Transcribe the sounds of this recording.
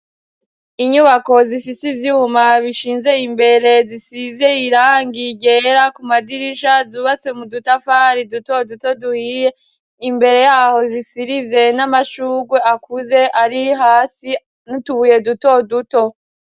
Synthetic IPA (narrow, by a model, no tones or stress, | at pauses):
iɲuβako̞zifisizjuːmaβiʃiːnze̞imbe̞ɾe̞zisize̞iɾaːŋɡiɟe̞ɾakumadiɾiʃazuːβase̞mudutafaɾiduto̞duto̞duhije | imbe̞ɾe̞jaːho̞zisiɾivje̞namaʃuːɡwe̞akuze̞ʔaɾiɦaːsi | nutuβuje̞duto̞duto̞